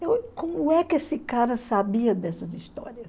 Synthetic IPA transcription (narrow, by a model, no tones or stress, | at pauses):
ewkõmʊɛkɪesɪkaɾɐsabiɐd̪ɛsɐzist̪ɔ̰ɾiɐs